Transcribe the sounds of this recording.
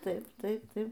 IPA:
ˈtɐɪp ˈtɐɪp ˈtɐɪp

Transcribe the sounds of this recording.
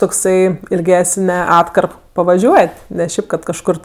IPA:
toːkˈsɐɪ ɪlʲˈɡʲæːsʲnʲɛ ˈɑːtkɐrp pɐʋɐˈʒʲuɔtʲ nʲɛ ˈʃʲɛɪp kɐt kɐʃˈkʊr

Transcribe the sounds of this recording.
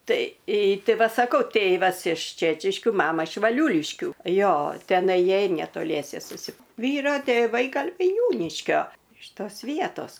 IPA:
ˈtɐɪ ˈtʲɪ ˈʋɐ sɐˈkɐʊ ˈtʲeːʋɐs ɪʃ ˈt͡ʃʲæːt͡ʃʲɪʃʲkʲʊ ˈmɑːmɐ ɪʃ ʋɐˈlʲuːlʲɪʃʲkʲuː ˈjoː tʲɛˈnɐɪ ˈjiɛj nʲɛtoːˈlʲiɛsʲɛ sʊsʲɪ ˈʋʲiːroː tʲeːˈʋɐɪ ˈɡɐlʲ ʋɐɪˈnʲuːnʲɪʃʲkʲoː ɪʃ ˈtoːs ˈʋʲiɛtoːs

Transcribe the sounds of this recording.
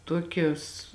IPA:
ˈtoːkʲoːs

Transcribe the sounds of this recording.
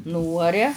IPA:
ˈnuːɐrʲɛ

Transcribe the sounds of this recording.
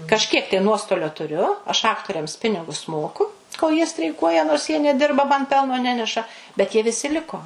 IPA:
kɐʃʲˈkʲiɛk tɐɪ ˈnuɔstoːlʲoː tʊˈrʲʊ ɐʃ ˈɑːktoːrʲɛms ˈpʲɪnʲɪɡʊs ˈmoːkʊ koːlˠ jiɛ sʲtʲrʲɛɪˈkuɔjɛ noːrs jiɛ nʲɛˈdʲɪrbɐ mɐn ˈpʲɛlˠnoː ˈnʲæːnʲɛʃɐ bʲɛt jiɛ ʋʲɪˈsʲɪ ˈlʲɪkoː

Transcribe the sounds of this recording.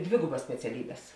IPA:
ˈdʲʋʲeːɡʊbɐs sʲpʲɛt͡sʲɛˈlʲiːbʲɛs

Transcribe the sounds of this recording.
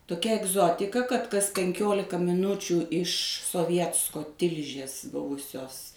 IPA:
toːˈkʲɛ ɛɡˈzoːtʲɪkɐ kɐt kɐs pʲɛŋʲˈkʲoːlʲɪkɐ mʲɪˈnʊt͡ʃʲuː ɪʃ soːˈʋʲiɛtskoː ˈtʲɪlʲʒʲeːs ˈbʊʋʊsʲoːs

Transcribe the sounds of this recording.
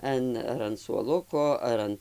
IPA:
ˈɐn ɐr ɐn suɔˈlˠʊkoː ˈɐr ɐn

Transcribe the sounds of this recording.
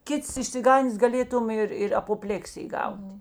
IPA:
ˈkʲɪts ɪʃʲsʲɪˈɡɐnʲdʲeːs ɡɐˈlʲeːtʊm ɪr ɪr ɐpoːˈpʲlʲeːksʲɪj ˈɡɐʊtʲɪ

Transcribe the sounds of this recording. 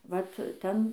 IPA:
ˈʋɐt ˈtʲɛn

